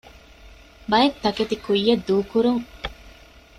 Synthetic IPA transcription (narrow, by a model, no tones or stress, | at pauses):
bɐjɐt̪ːɐket̪ikujːɐd̪ːuːkuɾuŋ